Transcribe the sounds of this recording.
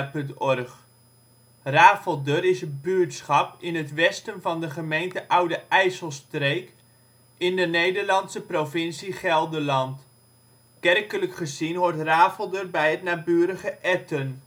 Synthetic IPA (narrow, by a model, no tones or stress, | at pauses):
pɵntɔrχ | raːfəlˠdərɪsəbyːɹtsχɑpɪnətʋɛstənvɑndəχəmejntəʔʌwdəʔɛjsəlˠstrejk | ɪndənejdəɹlɑnsəprovɪnsiχɛlˠdəlɑnt | kɛrkələkχəzinʋɔɹtraːfəlˠdərbɛjɦətnaːbyːɾəχəʔɛtən